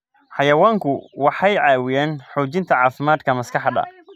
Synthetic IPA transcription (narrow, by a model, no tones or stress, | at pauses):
ħɑjɐwaːŋkʰʊwɑħɑjʕɑːwɪjaːnħuːt͡ʃɪnt̪ʰɐʕɑːfɪmaːd̪kʰɐmɐskɑħd̪ɐ̰